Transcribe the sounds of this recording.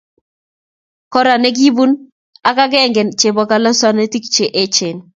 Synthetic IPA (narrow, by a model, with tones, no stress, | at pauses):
kɔ˦ɾa˨ne˦ɡ̬i˦bu˦n | a˨ka˦ɡɛ˦˨ŋɡɛ˨nt͡ʃe˨bɔ˨ka˦la˦swa˦ne˦ti˦kt͡ʃe˨ʔe˦t͡ʃe˨n